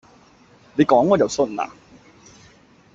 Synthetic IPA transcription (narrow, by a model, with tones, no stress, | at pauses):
le˨˧jkɔː˨˥ŋɔː˨˧jɐ˨˩wsɵ˧˥nla̰ː˨˩